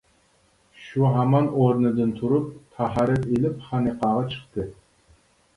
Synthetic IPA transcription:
ʃuɦamɑnoɾnɨd̪ɪnt̪ʰuɾʊp̚t̪ʰaɦɑɾɪt̪ilɪpχɑniqɑʁɑt͡ʃʰɨ̥qt̪ɨ

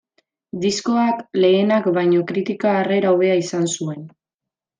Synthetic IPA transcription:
d̪isko̞akle̞ːnakbajɲo̞kɾit̪ikaːre̞ɾawβe̞aisansue̞n

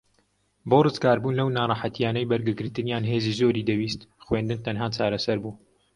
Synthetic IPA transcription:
boːrɨzkaːɾbuːnlɐwnaːrˤɑħat̪jaːnɛjbɐɾɡɨɡɨɾt̪ɨnjaːnɦeːziːzoːɾiːd̪ɐwiːst̪xweːnd̪ɨnt̪ʰɐnɦaːt͡ʃaːɾɐsɐɾbuː

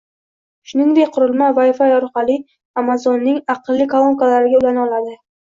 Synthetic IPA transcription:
ʃʊnɪŋd̪ekʲqʰʊɾɪlmavafajɒɾqɑlˠɪ | amazonːɪŋɑqɨlˠːɪkʰolˠomkalaɾɪɡʲaʊlanɒlˠad̪ɪ

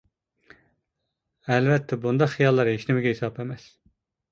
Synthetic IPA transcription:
ɛlvɛt̪ʰːɛbund̪ɑqχijɑlˠːɑɾɦeʃnɪmɪɡʲɛɦesɑpemɛs

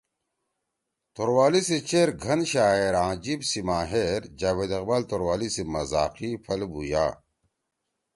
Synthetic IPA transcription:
t̪oɾwaːliset͡ɕeɾɡʱɐnɕaːeɾãːd͡ʑibsimaːɦeɾd͡ʑaːweːd̪ɐqbaːlt̪oɾwaːlisemɐza̰ːqipʰɐlbuja̰ː

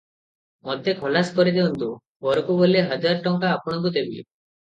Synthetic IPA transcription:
mɔd̪ʱekʰɔlaskɔɾid̪eɔnt̪u | bɔɾɔkuboleɦəd͡ʒaɾɔʈɔŋkaːpɔɽ̃ɔŋkut̪ebi

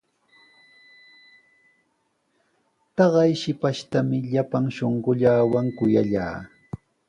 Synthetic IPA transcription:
t̪ɑɢɑjʃɪpaʃt̪amɪʎapaŋʃoɴɢʊʎaːwaŋkʊjaʎa̰ː

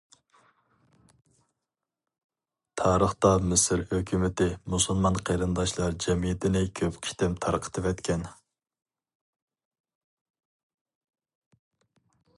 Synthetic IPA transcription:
t̪ʰɑːɾəχt̪ɑmɪsɪɾhøkʲymɪt̪ɪmusulˠmɑnqʰeɾɨnd̪ɑʃlˠɑɾd͡ʒɛmijt̪ɪnɪkʲʰøpqʲʰi̥ʃt̪ɪmt̪ʰɑɾqʰə̥t̪ʰɨvɛt̪kʲʰɛn

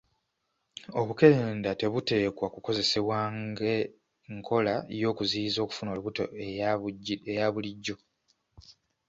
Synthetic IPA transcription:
o̞βuke̞ɾeːndate̞βute̞ːkwakuko̞ze̞seβwaːŋɡe | ŋkʰo̞laejo̞ːkuzizo̞ːku̥funouβuto | ejaβuliɟːo̞

